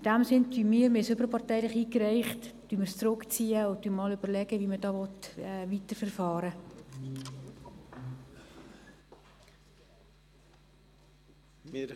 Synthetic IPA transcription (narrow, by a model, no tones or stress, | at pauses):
ɪd̥æmsɪntymiːəɾmɪsøbəɾpɑrtɛɪlɪχiːkrɛɪχtd̥yːmərst͡sɾʊkt͡siːəʊtyːmɑløbərlɛɡəvimədɑːvɔtɛvitərfərfɑːɾə